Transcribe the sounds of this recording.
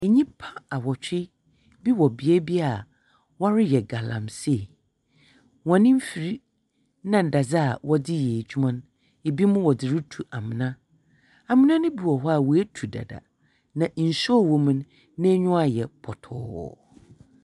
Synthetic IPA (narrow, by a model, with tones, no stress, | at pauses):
e˨ɲĩ˦pʰa˦a˨wɔ˨t͡ɕᶣɪ˦ | bi˦wɔ˨bi˨ɛ˦bi˦a˨ | wa˦ɾɪ˦jɛ˨ɡa˨lã̰˨mse˦˨ | wɔ̃˨nɪ̃˦m̩˦fi˨ɾi˦ | nã˨n̩˨da˨d͡za˦a˨wɔ˦dɪ˦jɛ˨d͡ʑᶣu˦mã˦n | e˨bi˦mʊ̃˦wɔ˨dɪ˨ɾɪ˦tʰu˨ʔa˨mɪ̃˨nã˦ | a˨mɪ̃˦nã˦nʊ̃˦bi˨wɔ˨ɦɔ˦a˦˨wɔ˨æ˦tʰu˨da̰˨da̰˨ | nã˨ʔn̩˨sɔ˦˨wo˨mũ˨˦nː | ɛ̃˦ɲʊ̃˦a˨jɛ˨pʰɔ˨tʰɔ̰ː˦˨˦wɔ̰˨